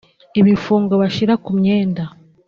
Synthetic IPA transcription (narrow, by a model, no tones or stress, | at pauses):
iβifuːŋɡoβaʃiɾakumɲeːnda